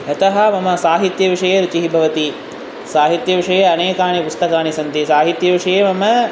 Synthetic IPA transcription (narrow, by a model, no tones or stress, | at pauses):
ɦɐt̪ɐɦɐ̆mɐmɐsaːɦit̪jɐʋiʂɐjeːɾut͡ʃiɦibʱɐʋɐt̪i | saːɦit̪jɐʋiʂɐjeɐneːkaːɳipust̪ɐkaːɳisɐnt̪isaːɦit̪jɐʋiʂɐjeːmɐmɐ